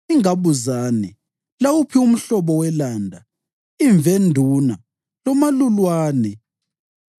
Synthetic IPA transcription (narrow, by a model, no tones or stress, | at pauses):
iŋaβuzaːnɛ | lawupʰium̩ɬɔβɔwɛlandʱa | iɱvendʱuna | lɔmalulwaːnɛ